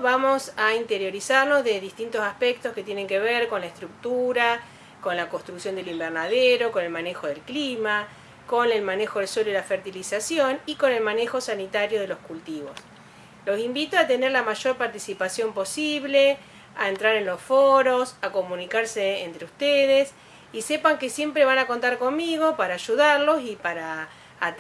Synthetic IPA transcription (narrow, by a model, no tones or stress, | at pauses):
βamo̞saint̪eɾjo̞ɾisaɾno̞zðeðist̪int̪o̞saspek̚t̪o̞ske̞t̪je̞nẽ̞ŋke̞βeɾko̞nlaest̪ɾuk̚t̪uɾa | ko̞nlako̞nst̪ɾuksjo̞nd̪elimbeɾnaðeɾo̞ko̞ne̞lmane̞xo̞ðe̞lklima | ko̞nelmane̞xo̞ðelswoloilafeɾt̪ilisasjoniko̞ne̞lmanexo̞sanit̪aɾjo̞ð̞elo̞skult̪iβo̞̰s | lo̞simbit̪oat̪eneɾlamaʒo̞ɾpaɾt̪isipasjo̞mpo̞siβle̞ | aent̪ɾaɾe̞nlo̞sfoɾo̞sako̞mũnikaɾseːnt̪ɾeust̪eðes | isepaŋke̞sje̞mpɾeβ̞anakont̪aɾko̞nmiɣo̞paɾaːʒuðaɾlo̞sipaɾaː